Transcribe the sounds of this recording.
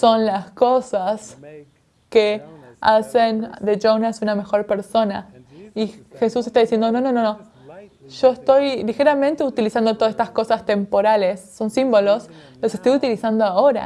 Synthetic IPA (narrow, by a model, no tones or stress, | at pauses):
so̞nlasko̞sas | keasend̪eʒownasuname̞xo̞ɾpe̞ɾso̞naixe̞sus̬est̪aðisje̞nd̪ono̞no̞no̞no̞ | ʒ̥o̞est̪o̞jlixe̞ɾamẽnt̪eut̪ilisand̪ot̪oasest̪asko̞sast̪e̞mpo̞ɾale̞sːo̞nsimbo̞lo̞s | lose̞st̪ojut̪ilisand̪oaoɾa̰